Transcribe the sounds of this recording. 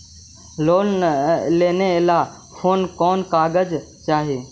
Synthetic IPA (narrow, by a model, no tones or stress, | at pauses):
loːlleːneɪla | pʰoːnkɔːnkaːɡəd͡ʒ | t͡ʃaːɦeː